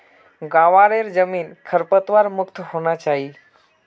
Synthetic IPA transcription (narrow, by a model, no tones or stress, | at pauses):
ɡaʋaɾeɾd͡zəmiːnkʰəɾpət̪ʋaɾmukt̪ɦoñat͡ʃaɦi